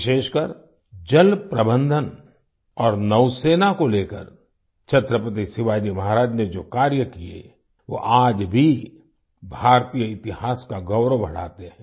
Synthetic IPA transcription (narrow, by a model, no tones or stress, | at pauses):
ʃeːʃkəɾ | d͡ʒəlpɾəbə̃nd̪ʱən | ɔːɾnəʊseːnakoleːkə̰ɾ | t͡ʃʰət̪ɾəpət̪̬isɪʋaːd͡ʒimɐɦaɾaːd͡ʒned͡ʒoːkaːɾjəkiḛ | ʋo̰ʔaːd͡ʒbʱi | bʱaːɾt̪ijəɪt̪ɪhaːskaɡɐʊɾobʱɐɽ̤a̰ːt̪eɦɛ̃ː